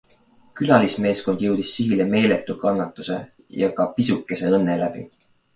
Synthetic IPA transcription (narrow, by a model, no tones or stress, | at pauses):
kylɑlisme̞ːsko̞nd̪̥jɤwd̪̥isːiɡileme̞ːle̞t̪ːˑukɑnːɑt̪ːˑuse̞̰ | jɑkɑpisukːˑe̞se̞ɤnːe̞læb̥ḭ